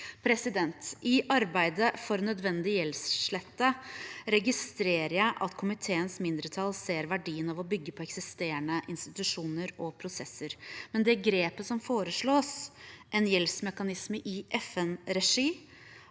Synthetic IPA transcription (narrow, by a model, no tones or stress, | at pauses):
pʰɾɛsɪd̪ɛnt̪ʔɪʔɑɾbæɪd̪əfɔɾnœd̪ʋɛnd̪ɪjɛlsʂɭɛt̪ːəɾɛɡɪst̪ɾeːɾəjæɪʔɑt̪kʰʊmɪt̪ʰeːənsmɪnd̪ɾət̪ʰɑlseːɾʋæɖiːənɑʋɔbʏɡːəpʰɔɛksɪst̪eːəɳəʔɪnst̪ɪt̪ʉʂuːnəɾɔpʰɾʊsɛsːəɾmɛnd̪ɛæɾɡɾeːpəsɔmfoːɾəʂɭoːsʔɛnjɛlsmɛkɑnɪsməʔɪʔɛfɛnɾɛʂiː